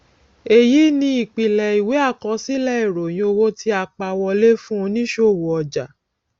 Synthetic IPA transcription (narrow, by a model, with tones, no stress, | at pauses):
e˨ji˨˦nĩ˧˦i˦˨k͡pi˨lɛ˨i˨we˨˦a˦˨kɔ̃˧˦si˦lɛ˦i˨ɾo˨j̃ĩ˦o˧wo˦ti˧˦a˧˨k͡pa˧wɔ˧le˦fũ˦˧nĩ˦ʃo˦˨wo˨ɔ˨d͡ʒa˨